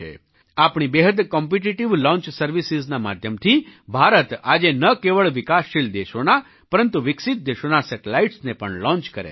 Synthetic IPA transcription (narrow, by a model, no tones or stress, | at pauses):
ḛ | apɳibeɦəd̪kɔmp̬iʈiʈiʋlɔ̃ɲt͡ʃsəɾʋisiznama̰d̪ʱjəmt̪ʰibʱaɾət̪ad͡ʒenəkeʋəɭʋɪkasːild̪eʃona | pəɾənt̪uʋɪksit̪̚d̪eʃonasɛʈelaiʈsnepəɳlɔ̃ɲt͡ʃkəɾḛ